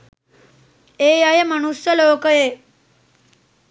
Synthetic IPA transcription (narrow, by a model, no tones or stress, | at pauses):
eːjajəmanusjəloːkəjeː